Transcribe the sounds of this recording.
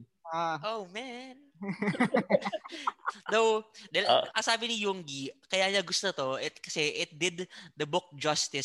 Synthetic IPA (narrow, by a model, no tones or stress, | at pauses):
aʔowmɛn | d̪owd̪ɐlɐsaːbɪnijuŋɡikɐjaɲɐɡʊst̪ot̪oɪt̪̚kɐsɛʔɪt̪̚d̪ɪd̪d̪əbʊk̚d͡ʒast̪ɪs